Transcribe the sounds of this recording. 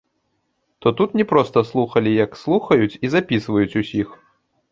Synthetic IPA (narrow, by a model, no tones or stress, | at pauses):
t̪ɔt̪ut̪nʲɛpɾɔst̪ɐslˠuxɐlʲijɐkslˠuxɐjut͡sʲizapʲisvɐjut͡sʲusʲix